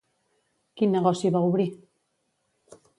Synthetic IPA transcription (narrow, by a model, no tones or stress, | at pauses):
kinːeɣosiβauβɾi